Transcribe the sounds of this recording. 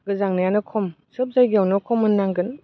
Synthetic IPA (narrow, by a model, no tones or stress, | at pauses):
ɡɯzaŋnajanɯkʰɔm | sɯp̚zajɡiawnɔkʰɔmɯnːaŋɡɯn